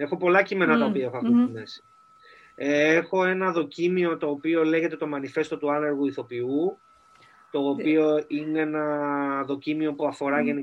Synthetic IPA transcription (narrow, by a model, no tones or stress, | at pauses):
e̞xo̞po̞lɐcime̞nɐt̪ɐopiɐe̞xoɐfuimesi̥ | exo̞e̞nɐðo̞cimio̞t̪o̞ːpio̞le̞ʝe̞t̪e̞t̪o̞mɐnife̞st̪o̞t̪uɐneɾɣuiθo̞piu | t̪o̞ːpio̞ineenɐðo̞cimio̞puɐfo̞ɾɐʝe̞ni